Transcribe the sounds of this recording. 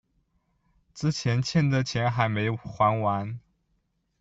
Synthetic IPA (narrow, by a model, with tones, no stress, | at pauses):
ʈ͡ʂɹ̩˥˩t͡ɕʰjɛ˧˥nt͡ɕʰjɛ˥˩nd̪ə˨t͡ɕʰjɛ˧˥nxa˧˥ɪme˧˥ɪxwa˧˥nwa˧˥n